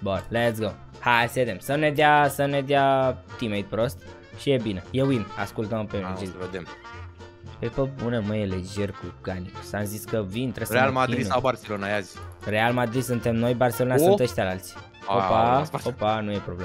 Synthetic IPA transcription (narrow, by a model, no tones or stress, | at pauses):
bonlet̪sɡo | hased̪emsəned̪easəned̪eat̪imejt̪̚pɾost̪̚ | ʃijebinejewima̰skult̪əmpeed͡ʒeved̪em | pepəbuneməjeled͡ʒerkuɡ̥anisamziskəvint̪ɾesɾealmad̪ɾid̪sawbarselonajazʲre̞almad̪ɾid̪sunt̪e̞mno̞jbarselonasũt̪əʃt̪alalt̪sʲ | opapopanujepɾoble